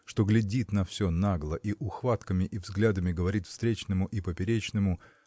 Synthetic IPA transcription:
ʂt̪o̞ɡlʲɪdʲit̪nɐfsʲonaɡlˠəʔiʔʊxvat̪kəmʲɪʔivzɡlʲad̪əmʲɪɡəvɐɾʲit̪fst̪ɾʲet͡ɕnɨmʊʔipəpʲɪɾʲet͡ɕnɨmʊ

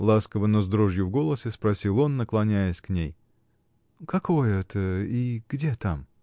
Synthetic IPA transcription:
lˠaskəvənozd̪ɾoʐjʊvɡo̞lˠəsʲɪspɾɐsʲilˠo̞nːəklˠɐnʲæjəsʲknʲej | kɐko̞jəɛt̪ʰəiɡ̥dʲet̪am

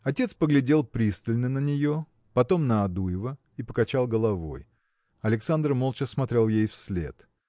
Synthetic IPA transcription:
ɐtʲet̪spəɡlʲɪdʲe̞lˠpɾʲist̪əlʲnənənʲɪjo̞ | pɐt̪o̞mnəɐd̪ujɪvə | ipəkɐt͡ɕalˠɡəlˠɐvo̞̰j | ɐlʲɪksand̪rmolˠt͡ɕəsmɐt̪ɾʲe̞lˠjejfsʲlʲe̞̰t̪

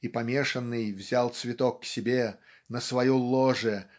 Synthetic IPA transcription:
ipɐmʲeʂənːɨjvzʲalˠt̪svʲɪt̪okːsʲɪbʲe | nəsvɐjulˠoʐə

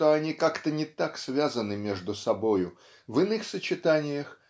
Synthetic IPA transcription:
t̪oɐnʲikakt̪ənʲɪt̪aksvʲazənɨmʲe̞ʐd̪ʊsɐbojʊ | vɨnɨxsət͡ɕɪt̪anʲɪjəx

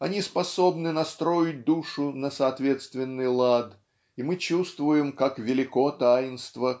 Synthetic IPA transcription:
ɐnʲispɐso̞bnɨnɐst̪ɾo̞jɪt̚ʲd̪uʂʊnəsɐːt̪vʲe̞t̪st̪vʲɪnːɨjlˠad̪ | ɪmɨt͡ɕust̪vʊjɪmkakvʲɪlʲɪkot̪aɪnst̪və

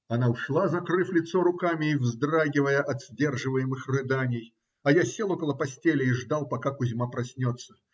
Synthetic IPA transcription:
ɐnaʊʂlˠazɐkɾɨflʲɪt̪soɾʊkamʲɪːvzd̪raɡʲɪvəjəʔɐt̪z̥ʲdʲe̞rʐɨvəjɪmɨxrɨd̪anʲɪj | ɐjasʲelˠokəlˠəpɐsʲtʲelʲɪiʐd̪alˠpɐkakʊzʲmapɾɐsʲnʲot̪sːə̥

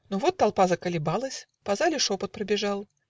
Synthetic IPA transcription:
nuvɔt̪ːalˠpazɐkɐlʲɪbalˠɐsʲ | pazalʲɪʂɔpɐt̪̚pɾɐbʲɪʐalˠ

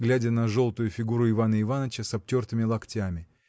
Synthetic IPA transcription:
ɡlʲædʲənɐʐo̞lˠt̪ʊjʊfʲɪɡuɾʊɪvanəɪvanət͡ɕəsɐp̚t͡ɕʲo̞rt̪ɨmʲɪlˠɐktʲamʲɪ

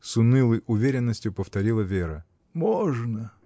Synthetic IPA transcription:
sʊnɨlˠəjʔʊvʲeɾʲɪnːəsʲtʲjʊpəft̪ɐɾʲilˠəvʲeɾə | moʐnə

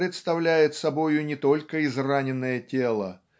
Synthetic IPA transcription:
ɾʲɪt̪st̪ɐvlʲæjɪt̪sɐbo̞jʊnʲɪt̪o̞lʲkəɪzranʲɪnːəjətʲelˠə̰

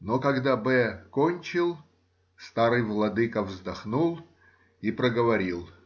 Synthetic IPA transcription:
nokɐɡd̪abɛkonʲt͡ɕɪlˠ | st̪aɾɨjvlˠɐd̪ɨkəvzd̪ɐxnulˠ | ipɾəɡəvɐɾʲilˠ

